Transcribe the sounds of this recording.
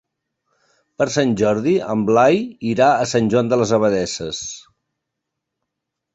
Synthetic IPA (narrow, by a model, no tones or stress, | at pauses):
pəɾsanʲʒɔɾðiəmblajiɾaəsanʲʒwand̪ələzəβəðɛsəs